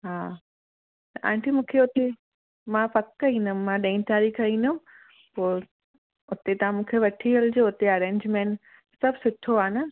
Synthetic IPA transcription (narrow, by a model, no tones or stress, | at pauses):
ɦaː | t̪ɐʔã̰ːɳʈʰimũːkʰeʊt̪e | mãpɐkːɐĩːnd̪ʊmmãɗɐ̃ĩnt̪aːɾikʰɐĩːnd̪ʊm | poːɾ | ʊt̪et̪ɐãmũːkʰeʋɐʈʰiəld͡ʑoːʊt̪eɐɾẽːɲd͡ʑmẽːɳʈ | sɐbʱsʊʈʰːoaːnə